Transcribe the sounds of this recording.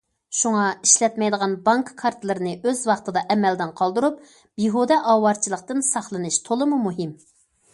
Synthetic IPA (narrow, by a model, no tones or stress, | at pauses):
ʃuŋɑiʃlɛt̪mɛjd̪əʁɑnbɑŋkːʰɑɾt̪ʰɨlˠɨɾɨnɨʔøzwɑχt̪ɨd̪ɑʔɛmɛld̪ɪnqʰɑlˠd̪uɾup̚ | biɦud̪ɛʔɑːwɑɾt͡ʃʰilˠəqt̪ɨnsɑχlˠɨnɨʃt̪ʰolˠɨmumuɦɪm